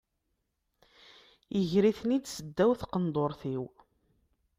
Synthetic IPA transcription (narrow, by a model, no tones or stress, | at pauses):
əʝɾiθnid̪səd̪ːæwθqənd̪ˤoɾˤθiw